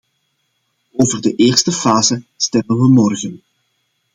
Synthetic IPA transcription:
oːvərdəʔɪːrstəfaːzəstɛmənʋəmɔrɣən

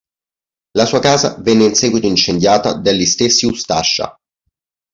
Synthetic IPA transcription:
lasuːakaːza̰vɛnːeinsɛːɡwit̪oint͡ʃend̪jaːt̪a̰d̪alːist̪esːiust̪aʃːa̰

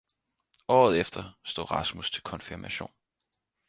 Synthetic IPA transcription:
ɒ̰ːð̞̩ˠefd̥ɐsd̥o̝ːʁɑ̈smust͡sʰe̝lkʰɒ̽nfiɐmʔæɕo̝̰ːn

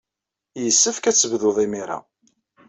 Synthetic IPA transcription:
jəsːəfkæt͡sːəvðʊðˤimiɾa̰

